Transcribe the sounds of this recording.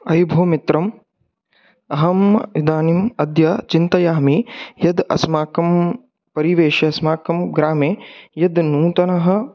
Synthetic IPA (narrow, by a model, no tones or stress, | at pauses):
ɐjbʱoːmit̪ɾɐm | ɐɦɐmid̪aːnimɐd̪jɐt͡ʃint̪ɐjaːmijɐd̪ɐ̰smaːkɐm | pɐɾiʋeːʃɐsmaːkɐmɡɾaːmeːjɐd̪nuːt̪ɐnɐɦɐ̆